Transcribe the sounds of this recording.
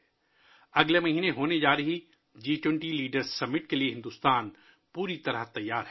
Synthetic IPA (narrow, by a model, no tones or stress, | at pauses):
ɐɡlemɐɦiːneɦoːned͡ʒaːɾɐɦi | d͡ʒiːʈwɛ̃ɳʈiliːɖəɾzːɐmːɪʈ̚kelieɦɪ̃nd̪uːst̪aːn | puːɾit̪ɐɾət̪ɐjːaːɾɦɛː